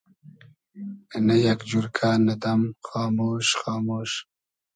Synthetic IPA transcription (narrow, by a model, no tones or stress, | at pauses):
najakd͡ʒuɾkʰaːnad̪amxɑːmoːʃxɑːmoːʃ